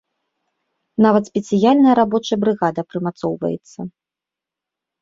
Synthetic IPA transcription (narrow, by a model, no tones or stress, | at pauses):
navɐt̪sʲpʲɛt̪sʲɨjalʲnɐjɐɾabɔt͡ʂɐjɐbɾɨɣad̪ɐpɾɨmat̪sɔwvɐ̰jɛ̰t̪sːɐ